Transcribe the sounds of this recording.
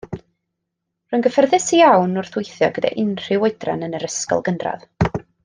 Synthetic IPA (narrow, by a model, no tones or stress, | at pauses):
rʊnɡəfərðɪsijawnʊrθwɪjθjɔɡəda̰ʔɪnr̥ɪwɔɨdra̰nənəɾəskɔ̰lˠɡəndra̰ð